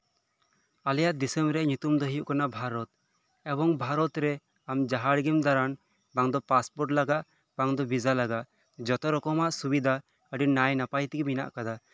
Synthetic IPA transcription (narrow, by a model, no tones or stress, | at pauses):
alɛjaʔd̪isɛmbɾɛɲut̪umd̪ɔɦijuʔkanabʱaɾɔt̪ | ɛbɔŋbʱaɾɔt̪ɾɛ | amd͡ʒaɦaɽɡimd̪aɾan | baŋd̪ɔpaspɔɾʈlaɡaʔ | baŋd̪ɔbid͡ʒalaɡaʔ | d͡ʒɔt̪ɔɾɔkɔmaʔsubid̪ʱa | əɖinajnapajt̪iɡɛmina̰ʔkad̪a